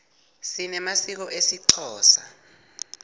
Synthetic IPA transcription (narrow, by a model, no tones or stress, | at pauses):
sinɛmasik̬ɔʔesiǀʰɔːsa